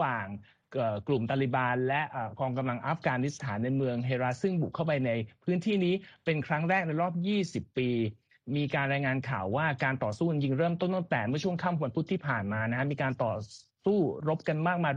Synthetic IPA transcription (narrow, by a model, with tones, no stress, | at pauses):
waː˨˩ŋ | ʔəː˨˩klu˨˩mt̪aː˧li˨˩baː˧nlɛ˦˥ʔʔəː˨˩kɔː˧ŋka˧mla˧ŋʔa˦˥fkaː˧ni˦˥st̪ʰaː˩˦nːa˧jmɯ˧əŋɦeː˧ɾa˦˥sɯ˥˩ŋbu˨˩kʰa˥˩wpa˧jna˧jpʰɯː˦˥nt̪ʰiː˥˩niː˦˥pe˧nkʰɾa˦˥ŋɾɛː˥˩k̚na˧jɾɔː˥˩p̚jiː˥˩si˨˩pːiː˧ | miː˧kaː˧nɾaː˧jŋaː˧nkʰaː˨˩wːaː˥˩kaː˧nt̪ɔː˨˩suː˥˩˧nji˧ŋɾɤː˥˩mt̪o˥˩nt̪a˥˩t̪ɛː˨˩mɯ˥˩ət͡ɕʰu˥˩əkʰaː˥˩m˧wa˧npʰu˦˥t̪ʰːiː˥˩pʰaː˨˩nmaː˧na˦˥kʰa˥miː˧kaː˧nt̪ɔː˨˩suː˥˩ɾo˦˥p̚ka˧nmaː˥˩k̚maː˧